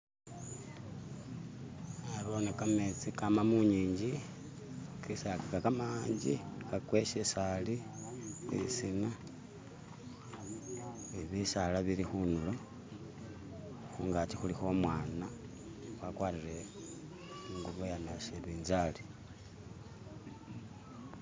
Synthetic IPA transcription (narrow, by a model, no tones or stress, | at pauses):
aɾonekamet͡sikamamuɲiːɲɟi | kisakikakamaːɲd͡ʒikakweʃisali | ḭsina | iβisalaβiɾixunulo | xuŋɡatixulixo̞ːmwaːna | wakwaːɾiɾe | uŋɡuβojanaseβiːnzali